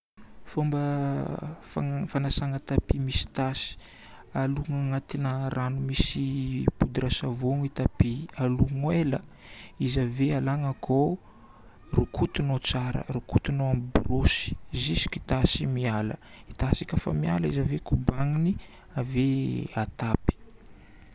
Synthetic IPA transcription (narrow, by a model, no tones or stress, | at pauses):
fombə | fafanasaŋət̪apimisi̥t̪asi̥ | aluŋaŋat̪inərʔanumisipud̪iɾasavoŋit̪apialuŋwelə | izavealaŋəkʰo | rukʰut̪unot͡saɾə̰rukut̪unoamiburosi̥zizi̥kit̪asimialə̰ | it̪asikʲəfa̰mia̰ləizavekubaŋini | aveat̪api̥